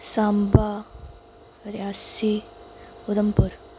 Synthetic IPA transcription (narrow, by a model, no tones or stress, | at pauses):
samba | ɾasi | ud̪ɐmpuɾ